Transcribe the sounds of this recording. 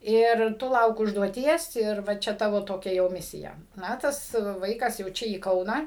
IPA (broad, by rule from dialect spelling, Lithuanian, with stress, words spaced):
ɪr ˈtʊ ˈlˠɐʊk ʊʒduɔˈtʲiɛs ɪr ˈʋɐ ˈt͡ʃʲɛ ˈtɑːʋoː toːˈkʲɛ jɛʊ ˈmʲɪsʲɪjɛ ˈnɐ ˈtɐs ˈʋɐɪkɐs jɛʊ ˈt͡ʃʲɛ iː ˈkɐʊnɑː